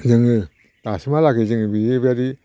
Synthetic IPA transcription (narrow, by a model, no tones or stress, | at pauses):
zɯŋɯ | tasimalaɡezɯŋbiebaɾi